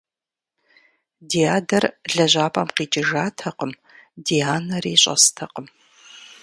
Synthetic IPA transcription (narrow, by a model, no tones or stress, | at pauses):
diaːdɐrɮɐʑʷaːpʼɐmqiːt͡ʃʼɪʒaːtʰɐqəm | diaːnɐɾiːɕʼɐ̰stʰɐqəm